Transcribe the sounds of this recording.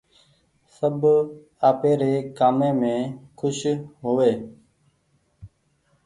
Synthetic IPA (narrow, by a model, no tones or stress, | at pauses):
səb | aːpeːɾeːkaːmẽːmẽːkʰʊʃɦoːʋeː